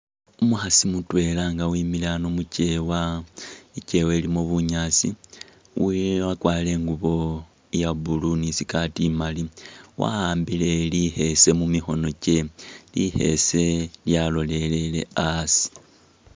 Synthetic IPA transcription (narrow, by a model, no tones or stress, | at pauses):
umuhasimutwe̞ːlaŋɡawimilanomuce̞wa | ice̞we̞ːlimoβuɲasḭ | wiwakwaːle̞ːŋɡuβo̞ | jabulunisikatimaliwʔa̰aːmbile̞lihe̞se̞mumixo̞no̞ce̞lihe̞̰se̞ljalo̞le̞le̞le̞̰asi̥